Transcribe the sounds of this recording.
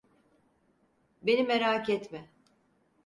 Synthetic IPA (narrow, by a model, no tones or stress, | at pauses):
be̞nimeɾaːcɛt̪mɛ